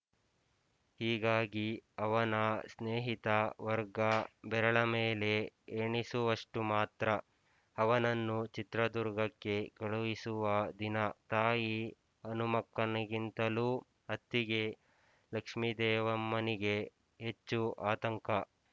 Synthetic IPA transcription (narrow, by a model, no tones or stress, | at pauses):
hiːɡaːɡiɐʋɐnɐsneːɦit̪ɐʋɐɾɡɐbɛɾɐɭɐmeːle̞eːɳisuʋɐʂʈumaːt̪ɾɐ | ɐʋɐnɐnːut͡ʃit̪ɾɐd̪uɾɡɐkːe̞kɐɭuʋisuʋɐd̪inɐt̪aːji | ɐnumɐkːɐnɐɡint̪ɐluː | ɐt̪ːiɡe̞ | lɐkʂmid̪ɛːʋɐmːɐniɡe̞ | ɦet͡ʃːuʔaːt̪ɐŋkɐ